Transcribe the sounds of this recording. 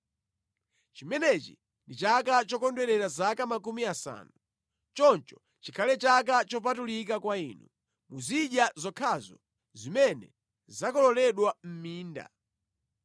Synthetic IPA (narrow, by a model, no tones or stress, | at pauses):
t͡ʃimɛnɛt͡ʃḭ | ndit͡ʃakat͡ʃɔkɔndwɛɾɛɾazakamakumiasa̰ːnu | t͡ʃɔnt͡ʃɔ̥ | t͡ʃikʰalɛt͡ʃak̬at͡ʃɔp̬atulikakwainṵ | muziɗjazɔkʰazɔ | zimɛnɛ | zakɔlɔlɛɗwam̩miːnda̰